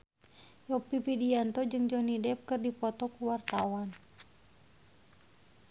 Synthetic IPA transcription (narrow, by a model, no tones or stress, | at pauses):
jɔpipidiant̪ɔd͡ʒɨŋd͡ʒɔnidɛp̚kɨrdipɔt̪ɔkuwart̪awan